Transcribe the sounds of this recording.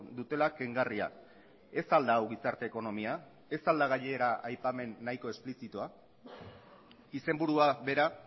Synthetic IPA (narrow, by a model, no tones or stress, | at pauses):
d̪ut̪e̞lake̞ŋɡaria̰ | e̞sald̪aːwɣisaɾt̪e̞ːko̞no̞mia | e̞sald̪aɣ̞aʎeːɾaajpame̞nːajko̞e̞splisit̪ua | ise̞mbuɾuaβe̞ɾa